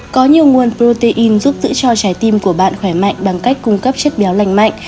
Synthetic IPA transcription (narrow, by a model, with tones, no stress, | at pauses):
kɔ˨˦ɲi˨˩əwŋu˨˩ənpɾo˧t̪e˧ʔi˧nzu˦˥p̚zɨ̰˧˥t͡ɕɔ˧t͡ɕaː˨˦jt̪i˧mku˧˩əɓa̰ː˧˨nxwɛ˧˩jma̰˧˨ŋ̟ɓa˧˩ŋka˦˥jk̟̚kʊ˧ŋ͡mkə˦˥p̚t͡ɕə˦˥t̚ɓa˨˦wla˧˨jŋ̟ma̰˧˨jŋ